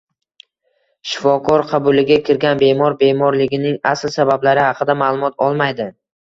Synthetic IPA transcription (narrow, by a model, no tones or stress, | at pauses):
ʃɪ̥fɒkʰɒɾqʰɑbʊlɪɡʲakʲʰɪɾɡʲanbe̞mɒɾbe̞mɒɾlɪɡʲɪnɪŋaslsabablaɾɪhɑqʰɨd̪amaːlˠʊmɒt̪ʰɒlˠmajd̪ɪ